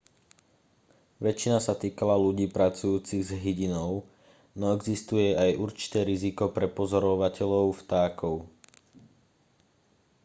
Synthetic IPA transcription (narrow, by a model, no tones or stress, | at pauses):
ʋɛt͡ʃinasat̪iːkalaluɟiːpɾat͡sujuːt͡siɣzɦiɟinɔʊ | nɔɛɡzist̪ujɛajʔuɾt͡ʃi̥t̪ɛːɾizikɔpɾɛpɔzɔɾɔʋacɛʎɔʊft̪aːkɔʊ